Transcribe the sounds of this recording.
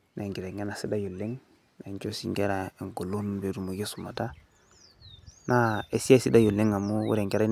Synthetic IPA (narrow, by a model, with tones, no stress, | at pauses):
na˨ŋɡi˨ɾe˨ŋe˦na˨si˦da˦ju˨lːɪ˦ŋ | na˨ɲd͡ʒo˦sḭ˨ŋɡe˦ɾa˨e˨ŋɡo˨lo˦nbe˨du˨mu˨ɡe˦su˨ma˨ta˦ | na˦e˨si˦a˦si˦da˦ju˨lːɪ˦ŋa˨mu˦wṵ˦ɾe˨ŋɡe˦ɾa˦